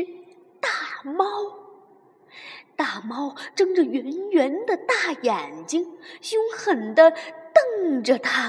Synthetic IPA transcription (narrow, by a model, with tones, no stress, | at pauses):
t̪a˥˩mɑ˥ʊ | t̪a˥˩mɑ˥ʊʈ͡ʂɤ˥ŋʈ͡ʂə˨ɥɛ˧˥nɥɛ˧˥nd̪ə˧t̪a˥˩jɛ˨˩nt͡ɕi˥ŋɕjʊ˥ŋxə˨˩nd̪ə˦t̪ɤ˥˧ŋʈ͡ʂə˨˩t̪ʰa˥